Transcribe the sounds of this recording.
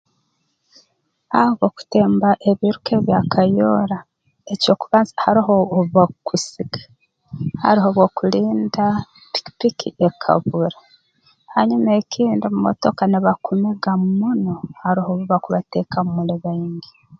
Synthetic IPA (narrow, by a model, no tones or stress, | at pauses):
aβo̞ku̥teːmbaʔe̞βiɾuke̞βjakʰajoɾa | eco̞ːkuβaːzhaɾiɦoβakʰusiɡḁ | ha̰ɾiɦo̞βwo̞kuliːnda | pi̥ki̥pikʰḭʔekʰa̰βuɾa | haɲume̞ːcʰiːndimumo̰to̞kaniβakʰumeɡammunohaɾihoβuβakuβatekamumuleβaiɲɡi